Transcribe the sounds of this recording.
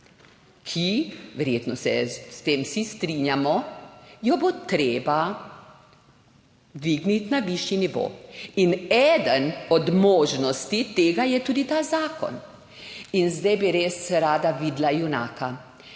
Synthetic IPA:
kʰiʋɛɾjet̪nɔsɛ̰st̪eːmsist̪ɾinjamɔjɔbot̪ɾeːba | d̪ʋiːɡnit̪naʋiʃjiniʋo̰ːinɛːd̪ənɔd̪moːʒnɔst̪it̪eːɡajɛt̪uːd̪it̪aːzaːkɔ̰n | inzd̪ɛjbiɾeːsɾaːd̪aʋiːd̪lajuna̰ːka

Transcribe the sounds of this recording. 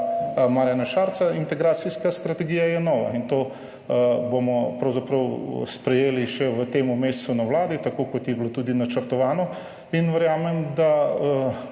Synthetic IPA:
maːɾjanaʃaːɾt̪saint̪ɛɡɾaːt̪siskast̪ɾat̪ɛɡijajɛnɔːʋa̰int̪o | bomɔpɾɐwzapɾɐw̰spɾɛjeːliʃɛʋət̪eːmumeːst̪sunawlaːd̪it̪akokɔt̪jɛblot̪uːd̪inat͡ʃəɾt̪ɔʋaːnɔ | inʋəɾjaːmɛmd̪a

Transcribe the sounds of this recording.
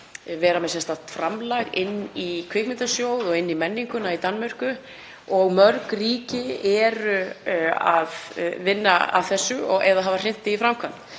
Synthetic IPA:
vɛːɾamɛðsɛnst̪at̪fɾamlaɣɪnːikʰvɪkmɪnt̪asjoːwðɔɣɪnːimɛnːiŋkʏnait̪anːmœr̥kʏ | ɔɣmœɾkriːcɪɛɾʏaðvɪnːaa̰ðθɛsːʏɔɣɛðaðɦavar̥ɪn̥t̪ɪifɾawmkʰvan

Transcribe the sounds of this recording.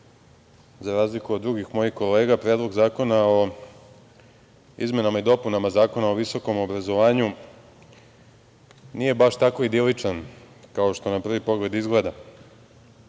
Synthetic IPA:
zaɾaːzlikuod̪dːɾuɡixmo̞jixko̞le̞ːɡapɾeːd̪lˠo̞ɡzaːko̞nao̞ | ḭzme̞namaid̪o̞punamazaːko̞naoʋiso̞ko̞mobɾazo̞ʋaːɲu | nije̞baʃt̪ako̞id̪ilit͡ʂan | kao̞ʃt̪o̞napr̩ʋipo̞ɡle̞d̪izɡled̪a

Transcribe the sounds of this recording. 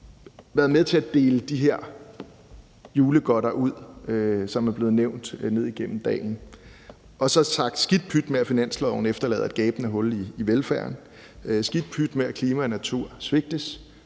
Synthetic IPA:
ʋæːɐðˠmeðˠt͡sʰe̝æd̥e̝ːləd̥iɦeɐ̰ | juːləɡ̥ɒ̽ɾɐʔuð̞̰ˠøsɒ̽mæɐb̥le̝ːð̞̩ˠneʊ̰nd̥ne̝ð̰ˠiɡ̥en̰m̩d̥ɛ̰ːln̩ | ʔɒ̽sɒ̽sɑ̈ɡ̥d̥sɡ̥id̥̚pʰyd̥meæfinæn̰slɛʊ̰n̩efd̥ɐlɛ̰ːð̩ˠæd̥ɡ̥ɛːb̥n̩əɦɔ̽liiʋelfæɐn | sɡ̥id̥̚pʰyd̥meækʰliːmæɒnæt͡sʰuɐ̰sʋe̝ɡ̥̚d̥əs

